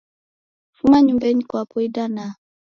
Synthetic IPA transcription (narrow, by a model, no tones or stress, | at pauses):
fumaɲumbɛɲikwapɔidana